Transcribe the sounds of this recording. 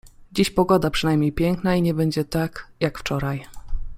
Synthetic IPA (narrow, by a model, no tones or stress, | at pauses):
d͡ʑiɕpɔɡɔd̪apʂɨnajmɲejpʲjɛŋknaiɲɛbɛɲd͡ʑɛt̪akjakft͡ʂɔɾaj